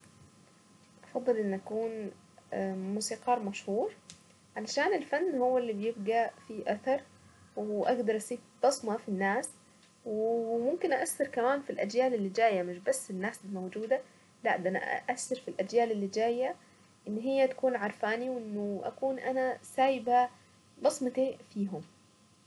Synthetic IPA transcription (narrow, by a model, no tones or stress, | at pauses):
ʔɑfɑd̪ˤːɨlʔɪnːʔakuːn | muːsiːqɑːɾˤmaʃhuːɾ | ʕalaʃaːnɪlfanːhʊwːalːibjɪb̚ɡafiʔaθɑɾˤ | wʔaɡd̪ɑɾˤʔɑsiːbt̪ɑsˤmɑfinːaːs | wɪmʊmkɪnʔaʔasːɑɾkamaːnfilʔad͡ʒjaːlɪlːid͡ʒaːjːamɪʃbasːɪnːaːsɪlmowd͡ʒuːd̪a | laʕd̪ana̰ʔa̰ʔasːɑɾˤfilʔad͡ʒjaːlɪlːid͡ʒaːjːa | ʔɪnːɦɪjːat̪ḁkuːnʕɑɾˤfaːniwʔɪnːʊʔa̰kuːnʔanasaːjɪba | bɑsˤmɑt̪ifiːɦʊm